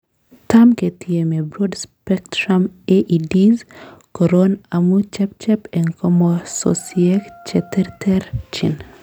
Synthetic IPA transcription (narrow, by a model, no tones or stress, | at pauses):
tamketiemebɾɔdspɛktɾameʔidizkɔɾonamut͡ʃɛp̚t͡ʃɛpɛŋkɔmoso̰siɛkt͡ʃɛtɛɾtʰɛɾt͡ʃɪ̰n